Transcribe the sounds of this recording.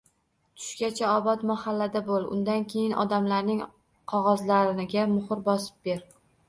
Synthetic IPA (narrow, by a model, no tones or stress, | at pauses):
t̪ʰʊ̥ʃkʲat͡ʃʰaɒbɒt̪mahalːad̪abolˠʊ̰nd̪ankʲʰe̞jɪnɒ̰d̪amlaɾnɪŋ | qʰɒʁɒzlaɾɪnɪɡʲamʊχɨɾbɒsɪ̥p̚be̞ɾ